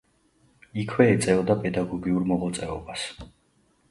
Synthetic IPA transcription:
ikʰwɛɛt̪sʼɛɔd̪apʼɛd̪aɡɔɡiuɾmɔʁɔt̪sʼɛɔbas

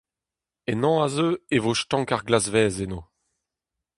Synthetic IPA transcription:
enɑ̃azøevoʃtɑ̃ːkaʁɡlazvɛːzeno

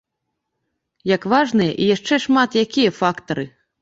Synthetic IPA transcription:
jɐkvaʐnɨjɐ̰ʔijaʂt͡ʂɛʂmat̪jakʲijɐfakt̪ɐɾɨ

